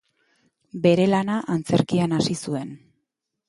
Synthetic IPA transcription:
be̞ɾe̞lanaʔant͡se̞ɾkianasisue̞n

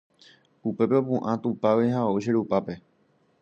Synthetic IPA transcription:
upe̞peopũʔãt̪upaʋiɦaauʃeɾupape̞

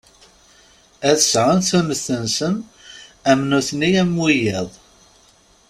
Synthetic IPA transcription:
æθəsʁənθunəθənsən | æmnuθnijæmwijɪðˤ

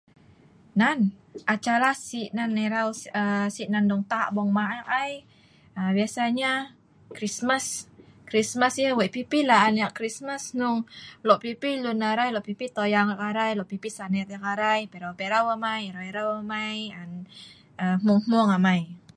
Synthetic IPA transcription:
nanʔat͡ʃalasiʔnanːeɾawsəsiʔnanduŋt̪aʔbɔŋmaʔʔaj | əbiasaɲa | kɾismaskɾismasjawɛʔpipilaanjaʔkɾismasnʊŋlɔʔpipilunaɾajlɔʔpipit̪ojaŋakaɾajlɔʔpipisanɛt̪̚jakaɾajpeɾawpeɾawamajɾaeɾawamajan | əmuŋmuŋamaj

